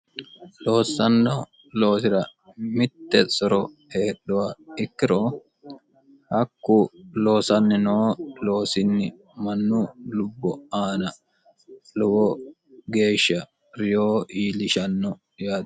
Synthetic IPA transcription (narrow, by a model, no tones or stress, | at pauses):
loːsːɐnːɔ | lo̞ːsɪɾɐ | mɪt̪ːɛsɔɾɔ | heːɗʊwaɪkːɪɾoː | hɐkːulo̞ːsɐnːɪnoːlo̞ːsɪnːɪ | mɐnːulʊbːɔaːnɐ | lɔwɔ | ɡe̞ːʃːɐ | ɾɪjoːʔiːlɪʃɐnːɔ | jaːd̪